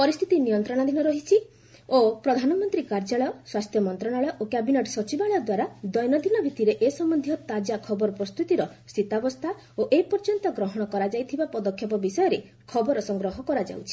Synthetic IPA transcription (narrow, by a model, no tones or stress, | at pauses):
pɔɾist̪ʰi̥t̪inijɔnt̪ɾɔɽ̃ad̪inɔɾɔɦit͡ʃʰi | opɾɔd̪ʱanɔmɔnt̪ɾikaɾd͡ʒaɭɔjɔswast̪ʰjɔmɔnt̪ɾɔɽ̃aɭɔjɔʔokɛbineʈsɔt͡ʃibaɭɔjɔd̪waɾad̪ɔjnɔd̪inɔbʱit̪iɾeʔesɔmɔnd̪ʱjɔt̪ad͡ʒakʰɔbɔɾɔpɾɔst̪ut̪iɾɔst̪ʰit̪abɔst̪ʰa | oʔeipɔɾd͡ʒɔnt̪ɔɡɾɔɦɔɽ̃ɔkɔɾad͡ʒajt̪ʰibapɔd̪ɔkʰːjɔpɔbisɔjɔɾe | kʰɔbɔɾɔsɔŋɡɾɔɦɔkɔɾad͡ʒa̰wt͡ʃʰi̥